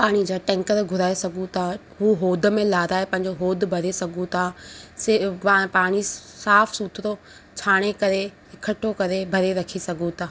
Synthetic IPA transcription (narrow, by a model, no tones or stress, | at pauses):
paːɽ̃id͡ʑaːʈɛ̃ːŋkəɾɡʱʊɾaːesɐɡʱũt̪ʰaː | ɦuːɦoːd̪ʱə̆mẽlaːɾaːepɐ̃ɦɪ̃ɲ̆d͡ʑoɦoːd̪ʱbʱɐɾesɐɡʱũt̪ʰaːsapaːɽ̃isaːfsuːt̪ʰɾo | t͡ɕʰaːɽ̃ekɐɾe | ɪkʰəʈʰokɐɾebʱɐɾeɾɐkʰisɐɡʱũt̪ʰaː